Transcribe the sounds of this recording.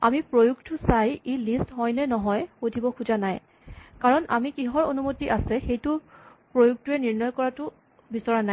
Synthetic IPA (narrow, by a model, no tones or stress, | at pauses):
amipɹojuk̚tʊsajilistɦɔjnɛnɔɦɔjxodʱibɔkʰuzanaj | kaɹɔna̰mikiɦɔɹonumotiʔasɛxejtʊpɹojuk̚tuɛniɹnɔjkɔɹatʊ | bisɔɹanaj